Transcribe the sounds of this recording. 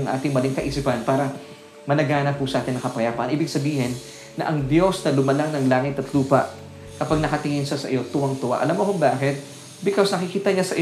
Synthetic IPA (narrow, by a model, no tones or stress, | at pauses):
ɐŋʔa̰ːt̪ɪŋmɐlɪŋkɐʔisɪpɐnpaːɾɐ | mɐnɐɡaːnɐp̚ːʊsɐʔaːt̪ɪnːɐkɐpɐjaːpɐʔɐ̰nʔiːbɪɡsɐbiːhɪnː | ɐ̰ʔɐŋd̪jo̞snɐlʊmɐlaŋnɐŋlaːŋɪt̪ɐt̪luːpɐ̰ʔ | kɐpaɡ̚nɐkɐt̪ɪŋɪnʃasɐ̰ʔɪjo̞t̪ʊwɐŋt̪ʊʔa̰ʔɐlamoʔkobaːkɪt̪̚ | bɪkosnɐkɪkiːt̪ɐɲasɐʔɪ